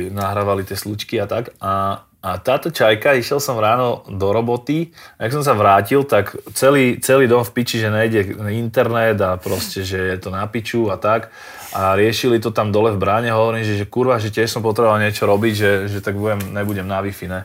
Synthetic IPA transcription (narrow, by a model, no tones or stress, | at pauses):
naɦɾaːʋalit̪ɪɛslut͡ʃkiat̪akaː | t̪aːt̪ɔt͡ʃajkaiʃjɛlsɔmɾaːnɔd̪ɔɾɔbɔt̪iajaks̬ɔms̬aʋɾaːcilt̪akt͡sɛliːt͡sɛliːd̪ɔmfpit͡ʃiʒɛɲɛjɟɛint̪ɛɾnɛd̪apɾɔscɛʒɛjɛt̪ɔnapit͡ʃuat̪ak | ʔaɾɪɛʃilit̪ɔt̪amd̪ɔlɛvbɾaːɲɛɦɔʋɔɾiːmʒɛʒɛkuɾʋaɦʒɛtɪɛʃsɔmpɔt̪ɾɛbɔʋalɲɪɛt͡ʃɔɾɔbiɟʒɛʒɛt̪aɡ̚bujɛmɲɛbuɟɛmnaʋifinɛ